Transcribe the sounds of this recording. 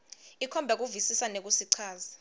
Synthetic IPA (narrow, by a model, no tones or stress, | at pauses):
ikʰɔmbʱɛk̬uvisisanek̬usiǀʰaːza